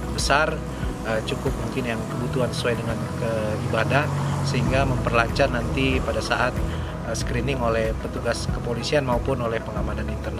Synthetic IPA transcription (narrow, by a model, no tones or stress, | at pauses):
bəsar | ət͡ʃukʊp̚muŋkɪnjaŋkəbut̪uansə̥suajdəŋankəibadahsəɦiŋɡaməmpərlaɲt͡ʃarnant̪ipadasaʔat̪̚ | əsə̥kɾinɪŋolɛhpət̪uɡaskəpolisianmaupʊnolɛhpəŋamananint̪ərn